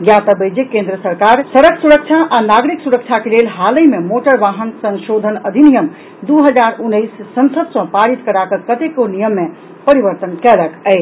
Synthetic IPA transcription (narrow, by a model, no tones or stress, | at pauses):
ɡjat̪əbəjd͡ʒekẽnd̪ɾəsəɾkaɾsəɾəkʰsuɾək̚t͡ʃʰaʔanaɡɾiksuɾək̚t͡ʃʰakelelɦaləjmemoʈəɾʋaɦənsə̃nʃod̪ʱənəd̪ʱinijəm | d̪uɦəd͡ʒaɾunːəjsːənsəd̪sʌ̃paɾit̪kəɾakəkət̪ekonijəmːe | pəɾibəɾt̪ənkɛləkɛɪ